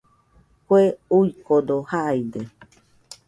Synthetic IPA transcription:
kweujkod̪ohaid̪e

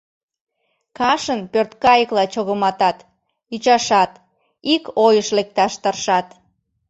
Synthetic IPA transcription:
kɑʃənpørt̪kɑjəklɑt͡ɕoɣəmɑt̪ɑt̪ | yt͡ɕɑʃɑt̪ | ikojəʃlek̚t̪ɑʃt̪ərʃɑt̪

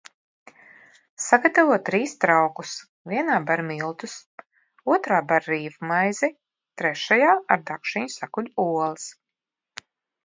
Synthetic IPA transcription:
saɡat̪avuɔt̪ːɾiːst̪ɾawkus | viɛnaːbaɾmilˠt̪us | uɔt̪ɾaːbaɾɾiːvumajzi | t̪ɾɛʃajaːaɾd̪akʃiɲsakuʎʲuuɔlˠɨs

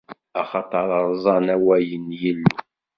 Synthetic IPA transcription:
ɑχɑt̪ˤɑɾˤɑɾˤzˤɑnæwæjənjəlːu

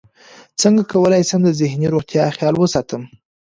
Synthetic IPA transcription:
t͡səŋɡakawəlɑjsəmd̪əzɪhniɾoɣt̪jɑxjɑlwəsɑt̪əm

